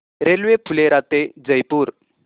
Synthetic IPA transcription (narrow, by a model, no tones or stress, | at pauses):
ɾelwepʰuleɾat̪ed͡zəjpuːɾ